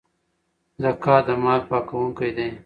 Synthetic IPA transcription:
zɐkaːd̪ɐmaːlpaːkɐwũŋkɐjd̪ẽː

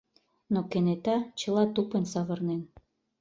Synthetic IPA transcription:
nokenet̪ɑt͡ɕə̆lɑt̪upensɑβɤ̆rnen

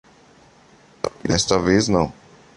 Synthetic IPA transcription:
d̪ɛst̪ɐveznɐ̃w̃

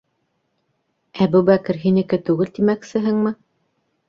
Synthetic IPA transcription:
æbuβækɘ̆ɾɦinɘ̆kɘt̪ʉɡɘlt̪imæksɘ̆ɦɘŋmɘ

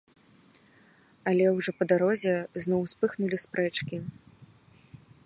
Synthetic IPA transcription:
ɐlʲɛwʐɔpɐd̪aɾɔzʲɛznɔwspɨxnulʲispɾʔɛt͡ʂkʲi

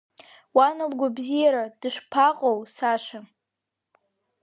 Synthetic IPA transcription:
wanɨlɡʷabzijaɾad̥ɨʂpʰaqʼowsaʃa

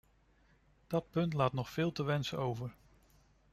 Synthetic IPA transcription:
d̥ɑt̚pɵntlaːtnɔχfɪːlˠtəʋɛnsəowvəɹ

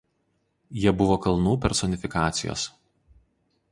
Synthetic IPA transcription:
jiɛbʊʋoːkɐlˠnuːpʲɛɾsɔnʲɪfʲɪkɑːt̪sʲɪjo̰ːs

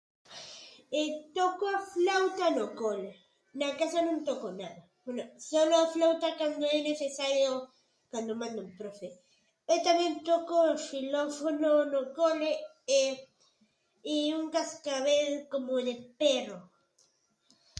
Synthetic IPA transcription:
et̪okoaflawt̪anokole | nakasanõnt̪okonaða | bwenosoloaflawt̪akand̪oɛneθesaɾjo | kand̪omãnd̪umpɾofe | ewt̪amẽnt̪okofilofononokole | e | iuŋkaskaβelkomoðepero

